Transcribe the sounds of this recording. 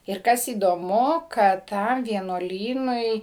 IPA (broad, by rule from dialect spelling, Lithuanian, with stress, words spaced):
ɪr ˈkɐs iːdoːˈmʊ kɐt ˈtɐm ʋʲiɛnuɔˈlʲiːnʊɪ